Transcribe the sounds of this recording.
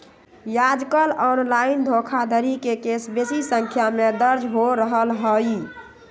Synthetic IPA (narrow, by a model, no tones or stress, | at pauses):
jad͡ʒkəlɔnlaɪind̪ʱokʰad̪ʱəɾikekesbesisəŋkʰjamed̪əɾd͡ʒʱɦoɾəɦəlɦəj